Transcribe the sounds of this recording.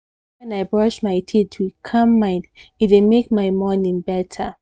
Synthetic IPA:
ɛ̃naɪbɹɔʃmaɪtʰitʰukʰʌ̃mːãɪditemek̚maɪmɔnĩŋbɛtʰə

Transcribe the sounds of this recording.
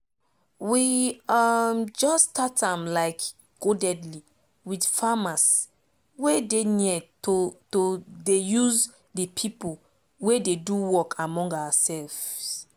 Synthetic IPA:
wiamd͡ʒɔstatãmlaɪk | ɡ̥odɛdli | widfamas | wedeniɛtotodejuz | dipʰipol | wededuwɔkʰamɔ̃ŋɡawasɛlfs

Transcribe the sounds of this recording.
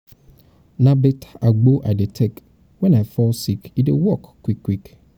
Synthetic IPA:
nãbɛtʰḁʔaɡ͡boʔadɛtʰɛk | wɛ̃nafɔlsikidewɔkkʰːwikʰːwik

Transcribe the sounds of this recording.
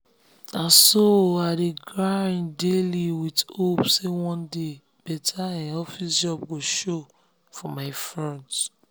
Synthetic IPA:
ãsoadeɡɹaɹĩndeliwitopsewɔ̃nde | b̥ɛtʰaɛ̃nɔfisd͡ʒɔb̚ɡoʃo | fɔmaɪfɹɔ̃nd

